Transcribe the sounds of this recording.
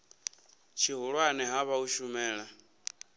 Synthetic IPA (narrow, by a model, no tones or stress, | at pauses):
t͡ʃʰiɦuɺwaniɦaβauʃumɛːɺa